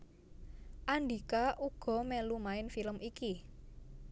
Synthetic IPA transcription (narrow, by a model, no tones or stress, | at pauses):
ʔaɳɖi̤kaʔuɡ̥ɔ̤mɛlumaɪnfiləmiki